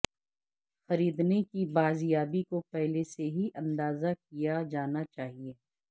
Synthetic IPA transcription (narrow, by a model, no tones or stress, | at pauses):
xɐɾiːd̪nekibaːzijaːbikopɛɦleseɦiʔɐ̃nd̪aːzak̚ijad͡ʒaːnat͡ʃaːɦieː